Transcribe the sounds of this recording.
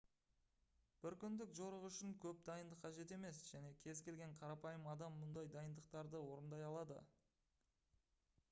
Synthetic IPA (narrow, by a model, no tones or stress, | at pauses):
b̥ɪɾkʲʰʏnd̪ɪkʒo̞ɾəʁʏʃɪŋkʲʰɵp̚d̪ɑjənd̪əqʰːɑʒe̞t̪e̞me̞sʒ̥æne̞kʲʰe̞zkʲe̞lɡʲe̞ɴqʰɑɾɑpɑjəmɑd̪ɑmːʊnd̪ɑjd̪ɑjənd̪əq̚t̪ɑɾd̪əwo̞ɾənd̪ɑjɑlˠɑd̪ə̰